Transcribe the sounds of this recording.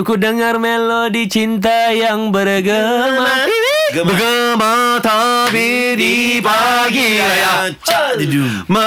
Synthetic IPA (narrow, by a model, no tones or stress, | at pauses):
ukudəŋarmɛlɔdit͡ʃint̪̬ajaŋbəɾɡə | a | bəɡəmat̪abidipaɡi | mə